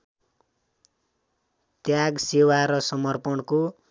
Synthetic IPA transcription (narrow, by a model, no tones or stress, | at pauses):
t̪jaɡsewaɾʌsʌmʌrpʌnko